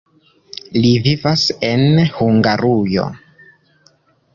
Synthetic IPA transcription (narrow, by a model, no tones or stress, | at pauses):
livivase̞nhuŋɡaɾujo̞̰